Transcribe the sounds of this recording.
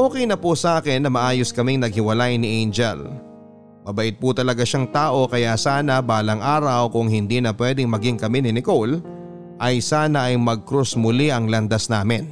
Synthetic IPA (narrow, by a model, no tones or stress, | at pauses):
ʔoːkɛjnɐpusɐʔaːkɪnːɐmɐʔaːjoskɐmɪŋnɐɡ̚hɪwɐlajnɪʔɛjnd͡ʒɛ̰l | mɐbɐʔɪt̪̚pʊt̪ɐlɐɡaʃaŋt̪aːʔo̞kɐjasaːnɐbaːlɐŋʔaːɾɐwkʊŋɦɪnd̪inɐpwɛːd̪ɪŋmɐɡɪŋkɐmɪnɪnɪkol | ʔɐjsaːnɐʔɐjmɐɡ̚kɾʊsmʊliʔɐŋlɐnd̪asnaːmɪn